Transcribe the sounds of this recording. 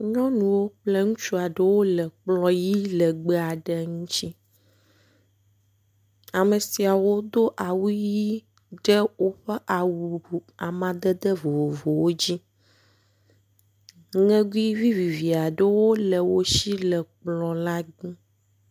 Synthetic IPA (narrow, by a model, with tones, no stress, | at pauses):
ɲɔ̃˦nũ˨wo˦k͡plə˦ŋũ˦t͡ʃu˦a˨ɖə˦wo˦lə˨k͡plɔ̃˦ji˦lə˨ɡ͡bə˦a˨ɖə˦ŋũ˦t͡ɕi˦ | a˨mə˨si˨a˨wo˦d̪o˦ʔa˨wu˦ji˦ | ɖə˦wo˦ɸə˦ʔa˨wu˨u˨a˨mã˨d̪ə˦d̪ə˦vo˨vo˨vo˨wo˦d͡ʑi˦ | ŋɛ̃˦ɡu˦i˦vi˦vi˨vi˨a˨ɖə˦wo˦lə˨wo˦ʃi˦lə˨k͡plɔ̃˨la˦ɡ͡bũ˦